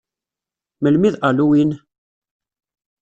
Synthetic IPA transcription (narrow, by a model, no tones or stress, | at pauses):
məlmiðaluwin